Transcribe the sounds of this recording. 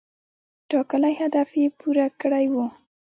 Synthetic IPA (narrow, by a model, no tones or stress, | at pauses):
ʈɑkəlajhad̪afepuɾakɽajwu